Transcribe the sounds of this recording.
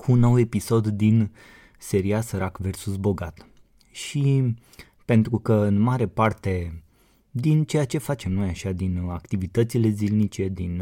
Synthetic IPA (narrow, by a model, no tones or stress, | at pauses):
kʰuːnːo̞we̞piso̞d̪ːin | se̞ɾiasəɾakve̞rsusbo̞ɡat̪ | ʃi | pe̞nt̪ɾukəɨnmaɾe̞part̪e̞ | d̪int͡ʃe̞jat͡ʃe̞fat͡ʃe̞mno̞jaʃad̪inakt̪ivit̪ət̪sile̞zilnit͡ʃe̞d̪in